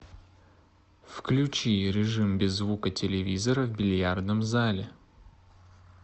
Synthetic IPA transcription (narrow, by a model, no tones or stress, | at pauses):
fklʲʉt͡ɕiɾʲɪʐɨmbʲɪzːvukətʲɪlʲɪvʲizəɾəvbʲɪlʲjard̪nəmzalʲɪ